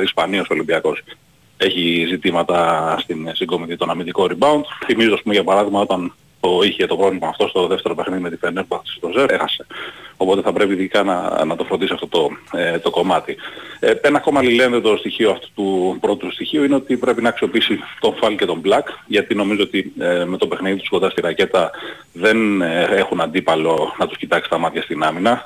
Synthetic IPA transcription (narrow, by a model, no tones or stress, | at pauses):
ispɐnioso̞limbiɐko̞s | e̞çizit̪imɐt̪ɐst̪insiŋɡo̞miθit̪o̞nɐmind̪iko̞ɾibɐund̪̥θimizooɐspumeʝɐpɐɾɐðiɣmɐo̞t̪ɐn | t̪o̞içet̪o̞pɾolimɐɐft̪o̞st̪o̞ðeft̪e̞ɾopexniðimet̪ifenepɐxt̪st̪o̞seexɐse̞̥o̞po̞t̪e̞θɐpɾe̞piðikɐnɐ̰nɐt̪o̞fɾo̞nd̪isiɐft̪ot̪o̞t̪o̞ko̞mɐt̪ie̞nɐːko̞mɐlilend̪et̪ost̪içio̞ɐft̪u̥t̪upɾo̞t̪ot̪ust̪içiuineo̞t̪ipɾe̞pinɐːksio̞piisit̪o̞ɱfɐlce̞t̪o̞mblɐkʝɐt̪ino̞mizoot̪ime̞t̪o̞pe̞xniðit̪u̥skond̪ɐst̪iɾɐce̞t̪ɐ | ðe̞ne̞xunɐnd̪ipɐlo̞nɐt̪uscit̪ɐksi̥t̪ɐmɐt̪çɐst̪inɐminɐ